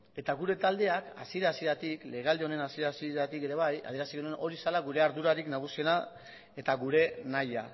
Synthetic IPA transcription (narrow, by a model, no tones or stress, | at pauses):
e̞t̪aɣuɾe̞t̪ald̪e̞aka̰siɾasiɾat̪ikle̞ɣ̞ald̪eo̞ne̞nasieɾasiɾat̪ike̞ɾe̞β̞aja̰ðieɾasiɣenuenʔo̞ɾisalaɣuɾe̞aɾðuɾaɾiknaɣ̞usie̞na | e̞t̪aɣuɾe̞naja̰